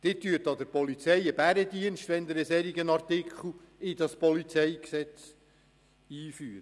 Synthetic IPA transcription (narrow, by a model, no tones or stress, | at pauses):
d̥̪ɪtːyːtɑd̪əɾpɔlit͡sɛjəb̥æɾəd̪iənʃtʋɛnd̪əɾəsɛɾiɡənɑɾt̪ɪkʰχl̩ˠ | ɪd̥̪ɑspɔlit͡sɛjksɛt͡s | iːfyːɾə